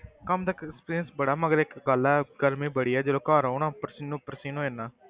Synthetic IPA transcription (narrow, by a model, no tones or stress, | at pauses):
kəmt̪əkkspiːɾiənsbəɽaːməɡəɾɪkɡəlɛːɡəɾmĩːbəɽiːɛːd͡ʒeloːkaːɾoːnãːpəɾsiːnũːpəɾsiːnõːenãː